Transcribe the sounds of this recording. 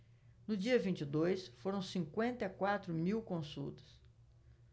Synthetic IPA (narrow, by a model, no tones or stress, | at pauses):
nʊd͡ʒiɐvĩt͡ʃɪd̪ojsfoɾɐ̃w̃sĩkwẽnt̪ɐakwat̪ɾʊmiwkõsṵt̪ɐ̥s